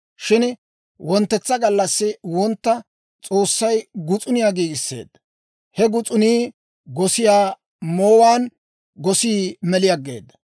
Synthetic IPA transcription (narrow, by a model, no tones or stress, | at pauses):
ʃɪn | wɔnt̪ːɛt͡sːɐɡɐlːɐsːɪwɔnt̪ːɐ | t͡sʼo̞ːsːɐjɡʊt͡sʼʊnɪjaːɡiːɡɪsːe̞̰ːd̪ːɐ | hɛɡʊt͡sʼʊniː | ɡɔsɪjaː | moːwaːn | ɡɔsiːmɛlɪjɐɡːe̞̰ːd̪ːɐ̥